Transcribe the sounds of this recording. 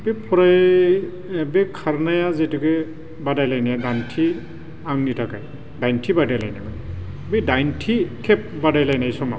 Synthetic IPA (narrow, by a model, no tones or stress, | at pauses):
bepʰɔɾaj | bekʰaɾnajazetukɛ | badajlajnijadantʰi | aŋnitʰakaj | dajntʰibadajlajnajman | bidajntʰikʰɛp̚badajlajnajsɔma̰